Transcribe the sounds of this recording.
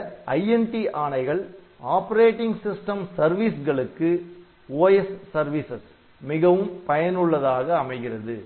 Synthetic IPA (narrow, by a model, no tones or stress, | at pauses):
ɐjɛnʈiʔaːɳɐɪɣɐɭ | aːpɐɾeːʈːɪŋɡsɪsʈɐmsɐɾʋisɣɐɭɯkːɯ | oːjɛsːɐɾʋisɐs | mɪɣɐʋɯmpɐjɐnɯɭːɐðaːɣɐːmɐɪɣɪrɐðɯ